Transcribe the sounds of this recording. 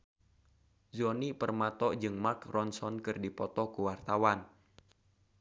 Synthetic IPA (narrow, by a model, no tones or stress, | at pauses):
zɔnipərmat̪ɔʔd͡ʒɨŋmarkrɔnsɔnkɨrdipɔt̪ɔkuwart̪awan